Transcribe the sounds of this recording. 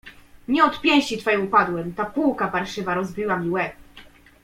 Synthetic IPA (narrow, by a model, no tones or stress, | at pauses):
ɲɛɔt̪pʲjɛ̃w̃ɕt͡ɕit̪fajɛupad̪wɛmt̪apuwkapaɾʂɘvaɾɔzbʲiwamʲiwɛp